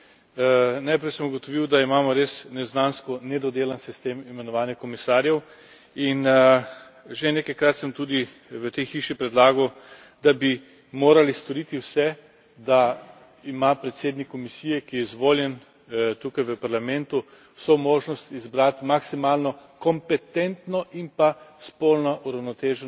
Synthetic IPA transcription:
najpɾɛjsəmuɡɔt̪ɔʋiwd̪aimaːmɔɾesnɛznanskɔnɛd̪ɔd̪eːlansist̪eːmimɛnɔʋaːnjɛkɔmisaːɾjɛw | in | ʒeneːkajkɾat̪səmt̪uːd̪i | ʋət̪ɛjxiʃipɾɛd̪laːɡɔw | d̪abi | moːɾalist̪ɔɾit̪iwsɛ | d̪a | imapɾɛt̪seːd̪nikːɔmisiːjɛkijɛizʋoːljɛn | t̪uːkajʋəpaɾlamɛnt̪u | somoːʒnɔst̪izbɾat̪maksimaːlnɔkɔmpɛt̪ɛnt̪nɔʔimpaspolnɔʔuɾawnɔt̪eːʒɛ

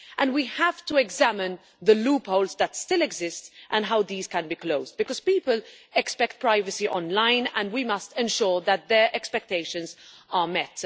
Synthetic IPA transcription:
ʔə̃nwihæftəɛɡzæmɨ̃n | ðəluːpoʊlˠzðətstɪlɛɡzɪstʔə̃nɦaʊðiːz̥kə̃nbikloʊz̚bɨkɔz̥piːpəl | ɛkspɛk̚t̚pʰɹ̥aɪvɨsiʔɔ̰̃nlãɪ̃nə̃ndwimʌstɛ̃nʃɔɹðət̪̚ðə˞ʔɛkspɛk̚teɪʃə̃nz | əmɛt

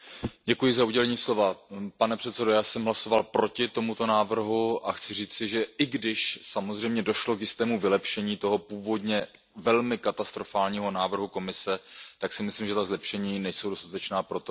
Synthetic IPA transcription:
ɟɛkujɪzauɟɛlɛɲiːslo̞vapanɛpr̥ɛt̪sɛdojaːsɛmɦlaso̞valpɾo̞cɪt̪o̞mut̪o̞naːvr̩ɦuʔaxt͡sɪriːt͡sɪʒɛɪɡdɪʃsamo̞zr̝ɛjmɲɛdo̞ʃlo̞kjɪst̪ɛːmuvɪlɛpʃɛɲiːt̪o̞ɦo̞puːvo̞dɲɛ | vɛlmɪkat̪ast̪ɾo̞faːlɲiːɦo̞naːvr̩ɦuko̞mɪsɛt̪aksɪmɪslimʒɛt̪azlɛpʃɛɲiːnɛjso̞wdo̞st̪at̪ɛt͡ʃnaːpɾo̞t̪o

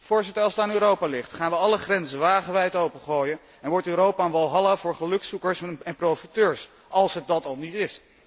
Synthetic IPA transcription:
v̥ʊːɹzɪtəɹɑlˠsətaːnyːɾowpaːlɪχtχaːnʋəɑləχrɛnzənʋaːχəʋɛjtowpəχoːjən | ɛnʋɔɹtyːɾowpanʋɑlˠɦɑlavʊːɹχəlɵksukəɹsɛnprowfitøːɹs | ɑlˠsɦət̚dɑtɑlˠnitɪs

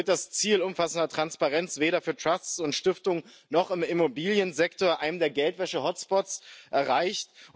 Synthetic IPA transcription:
ɪt̚d̥ast͡siːlʊmfasn̩dɐtʁ̥anspaʁɛnt͡sv̥eːɾɐfyːɐtʁ̥ast͡sʊntʃtɪftʊŋ | nɔχɪmɪmobiːljənzɛktoːɐʔaɪnəmdeːɐɡɛltv̥ɛʃəhɔtspɔtsʔɛɐʁaɪçt

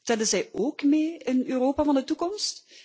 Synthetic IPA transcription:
tɛldəzɛjoːkmeːɪnøːroːpaːvɑndətukɔmst

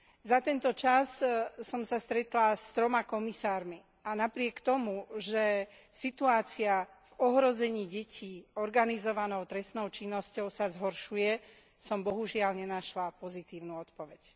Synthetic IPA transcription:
zat̪ɛnt̪ɔt͡ʃassɔmsast̪ɾɛt̪last̪ɾɔmakɔmisaːɾmi | anapɾɪɛkt̪ɔmuʒɛ | sit̪uaːt͡sia | vɔɦɾɔzɛɲiːɟɛcʰiːɔɾɡanizɔʋanɔʊt̪ɾɛsnɔʊt͡ʃinːɔscɔʊsazɦɔɾʃujɛ | sɔmbɔɦuʒɪalɲɛnaʃlapɔzit̪iːʊnuːɔt̪pɔʋɛc

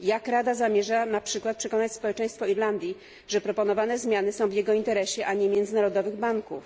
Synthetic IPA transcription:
jakɾad̪azamʲjɛʐanapʂɘkwat̪pʂɛkɔnat͡ɕspɔwɛt͡ʂɛ̃j̃st̪fɔiɾland̪ʲji | ʐɛpɾɔpɔnɔvanɛzmʲjanɘsɔ̃w̃vjɛɡɔint̪ɛɾɛɕɛʔaɲɛmʲjɛnd̪zɘnaɾɔd̪ɔvɘɣbaŋkṵf

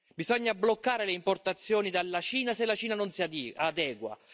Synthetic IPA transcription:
bizɔɲːablokːaːɾeleimport̪at̪sːjoːnid̪alːat͡ʃiːnaselːat͡ʃiːnanonsiad̪ɛːɡwa̰

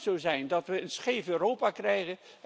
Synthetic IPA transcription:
sowzɛjndɑtʋəənsχejvøːrowpakrɛjχən

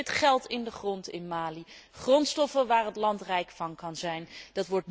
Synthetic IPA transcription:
ɪtχɛlˠtɪndəχrɔntɪnmaːliχrɔntstɔfənʋaːrɦətlɑntrɛjkfɑnkɑnzɛjndɑtʋɔɹt̚

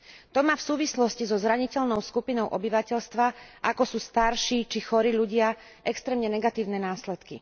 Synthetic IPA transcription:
t̪ɔmaːfsuːʋislɔscizɔzɾaɲicɛʎnɔʊskupinɔʊʔɔbiʋacɛʎst̪ʋaʔakɔsuːst̪aɾʃiːt͡ʃixɔɾiːʎuɟɪa | ʔɛkst̪ɾɛːmɲɛnɛɡat̪iːʊnɛnaːslɛt̪kḭ

